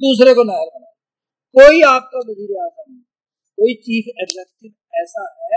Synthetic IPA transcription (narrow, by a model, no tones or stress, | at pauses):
d̪uːs̬ɾekonaːjəɾkɐnaː | koːiaːp̚kaʋɐziːɾeaːzanɐɦĩ | koːit͡ʃiːfʰɛɖd͡ʒɛkʈɪb | ɛːsaɦɛː